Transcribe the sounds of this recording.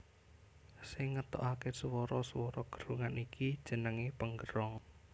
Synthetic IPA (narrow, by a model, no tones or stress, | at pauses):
sɪŋːət̪ɔ̰ʔakesəwɔɾɔsəwɔɾɔɡ̥ə̤̥ɾuŋanikʰid̥ʒ̥ə̤nəŋipəŋɡəɾɔŋ